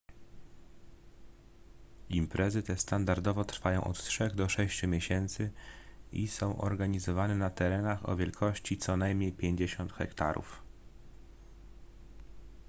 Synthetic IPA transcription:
impɾʔɛzɘt̪ɛst̪and̪aɾd̪ɔvɔt̪ɾfajɔ̃w̃ʔɔ̰t̪tʂɛɣd̪ɔʂɛɕt͡ɕumʲjeɕɛnt̪sɘisɔ̃w̃ʔɔ̰ɾɡaɲizɔvanɛnat̪ɛɾɛnaxɔ̰vʲjɛlkʰɔɕt͡ɕit̪sɔnajmɲejpʲjeɲd͡ʑeɕɔnt̪xɛkt̪aɾʔṵf

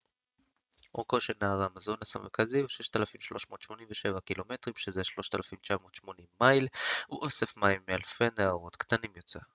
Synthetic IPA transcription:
okoʃenaːʁamazo̞nasameʁkaziuʃeʃt̪alafimʃloʃmo̞ːt̪ʃmo̞nimveʃe̞vakilo̞me̞t̪ʁimʃezeʃlo̞ʃt̪alafimt͡ʃamo̞ːt̪ʃmo̞nimːailuʔosefmaimːealfeneaoʁo̞t̪kt̪animjot͡se

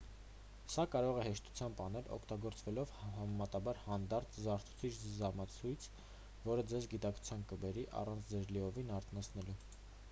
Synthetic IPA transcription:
sɑkɑɾɔʁɛhɛʃt̪u̥t͡sʰjɑmbɑnɛlɔ̰kʰt̪ɑɡɔɾt͡svɛlɔvhɑmɛmɑt̪ɑbɑɾhɑnd̪ɑɾt̪ʰzɑɾt̪ʰu̥t͡sʰit͡ʃʰzɑmɑt͡sʰujt͡sʰ | vɔɾəd͡zɛzɡit̪ɑkt͡sʰu̥t͡sʰjɑnkəbɛɾiʔɑ̰rɑnt͡sʰd͡zɛɾliɔvinɑɾt̪ʰnɑt͡sʰnɛlu

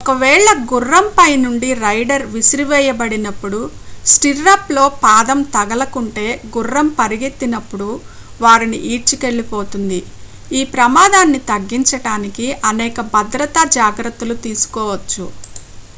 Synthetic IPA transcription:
ɔkɐʋɛːɭɐɡurːɐmpɐjnuɳɖiɾɐjɖɐɾʋisɾiʋɛːjɐbɐɽinɐpːuɽusʈiɾːaːplo̞ːpaːd̪ɐmt̪ɐɡɐlɐkuɳʈe̞ːɡurːɐmpɐɾiɡet̪ːinɐpːuɽu | ʋaːɾiniʔiːʈt͡ʃuke̞ɭːipoːt̪und̪i | iːpɾɐmaːd̪aːnːit̪ɐɡːiɲt͡ʃɐʈaːnikiʔɐnɛːkɐbɐd̪ɾɐt̪ad͡ʒaːɡɾɐt̪ːulut̪iːsu̥kɔːʋɐt͡ʃːu

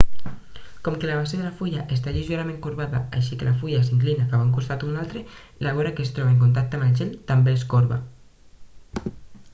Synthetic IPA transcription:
kɔmkelaβaseðelafuʎaʔest̪aʎizuaɾamẽŋkuɾβaða̰a̰ʃikelafuʎasiŋklinakaβaŋkust̪at̪unalˠt̪ɾe | laβ̞oɾakest̪ɾɔβaeŋkunt̪̬ak̚t̪eəaməlʒelt̪ambeeskoɾβa̰

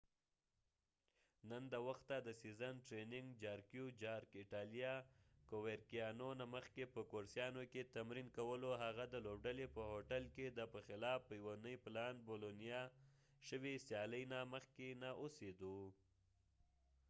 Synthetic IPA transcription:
nənd̪əwaxt̪ːad̪əsizanʈɾenɪŋɡd͡ʒɑɾkjud͡ʒɑɾkɪʈɑlijakoweɾkijɑnonaməxkepəkoɾsjɑnoket̪amɾinkawəloɦaɣad̪əlobɖalepəɦoʈalked̪əpəxɪlɑfəjwonəjplɑnbolonijɑ | ʃəwisjɑləjnaməxkenaʔosed̪u

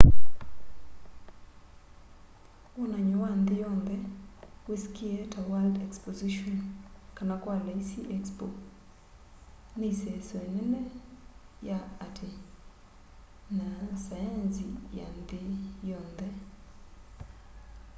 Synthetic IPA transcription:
wɔnaɲɔwand̪ɪjɔnd̪ɛkwiskɪetawaldɛkspoziʃɔnkanakwaleisiʔɛkspo̰ | nisɛsonɛnɛ | jaatʰɪ | nasajansija̰nd̪ɪjɔnd̪ɛ

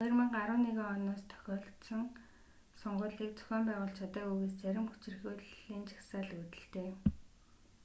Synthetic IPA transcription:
χɔj̆rmə̆ɴɢaɾʊːnːeɣeːɔnɔːst̪ʰœ̥xʲɔːɬt̪sə̆ŋ | sɔɴɢʊːɮiːk̚t͡sʊ̥xʲɔːmpæːʁʊːɬt͡ɕʰat̪aːuːɣeːst͡sæɾʲɪ̆mxu̥t͡ɕɪ̆rɣuːɮiːnt͡ɕʰḁxsaːɮut̪ɘ̆ɬt̪eː

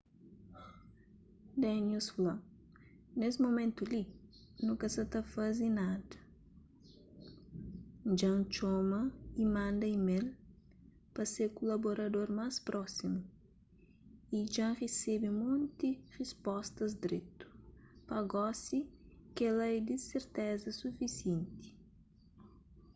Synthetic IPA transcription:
d̪ɛnusflɐ̃ | nesmomẽnt̪uli | nũŋkɐsɐt̪ɐfazinad̪ɐ | d͡ʒɐ̃t͡ʃɔmɐimɐ̃nd̪ɐimel | pɐseɾkulaboɾɐd̪oɾmaspɾʔɔsimu | id͡ʒãʁesebimũnt̪irispɔst̪ɐzd̪ɾet̪u̥pɐɡɔsikɛlɐɛd̪iseɾt̪ɛzɐsufisjẽnt̪i̥

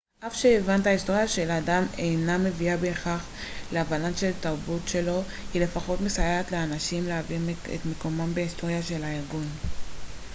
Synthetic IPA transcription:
ʔafʃeːvantaisto̞ʁjaʃe̞ladame̞jname̞viabe̞ːχaχleavalanʃe̞lt̪aʁbutʃe̞lo̞ | hile̞faχo̞tmesajeat̪leanaʃimleavimḛtmeko̞mambeisto̞ʁjaʃe̞laiʁɡun

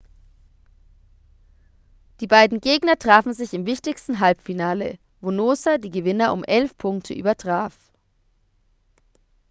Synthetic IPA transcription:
d̥iːbaɪdn̩ɡeːɡnɐtʁ̥aːfn̩zɪçɪmvɪçtɪçstn̩ɦalpfinaːlə̰ | voːnoːsadiːɡəvɪnɐʔʊmʔɛlfpʰʊŋktʰəʔyːbɐtʁ̥aːf

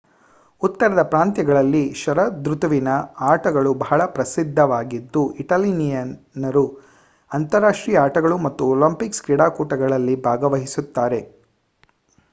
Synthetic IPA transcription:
ut̪ːɐɾɐd̪ɐpɾaːnt̪jɐɡɐɭɐlːiʃɐɾɐd̪ɾut̪uʋinɐaːʈɐɡɐɭubɐɦɐɭɐpɾɐsid̪ʱːɐʋaːɡid̪ːuiʈɐːlinijɐn | nɐɾu | ɐnt̪ɐɾaːʂʈɾijɐaːʈɐɡɐɭumɐt̪ːuɔlɐmpikskɾiɽaːkuːʈɐɡɐɭɐlːibʱaːɡɐʋɐɦisut̪ːaːɾe̞

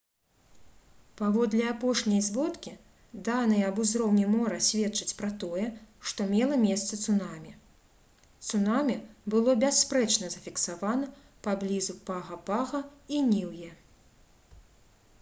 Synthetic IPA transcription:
pavɔd̪lʲɐapɔʂnʲɐjzvɔt̪kʲi | d̪anɐjɐɐbuzɾɔwnʲɛmɔɾɐsʲvʲɛt̪t͡ʂɐt͡sʲpɾɐt̪ɔjɛʂt̪ɔmʲɛlˠɐmʲɛst̪sɐt̪sunamʲi | t̪sunamʲibɨlˠɔbʲasːpɾɛt͡ʂnɐzɐfʲiksavanɐ | pablʲizupaɣɐpaɣɐinʲiwjɛ

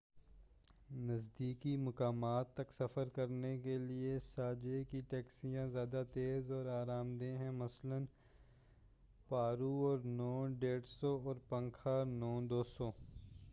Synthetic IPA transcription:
nɐzd̪iːkimʊkaːmaːt̪ːɐksɐfəɾkɐɾnekeliesaːd͡ʒekiʈɛːksijãzjaːd̪at̪eːzɔːɾaːɾaːmd̪ẽɦɛ̃mɐslən | paːɾuɔːɾnɔːɖeːɽsɔɔːɾpɐ̃ŋkʰanɔ̃ːd̪oːsoː

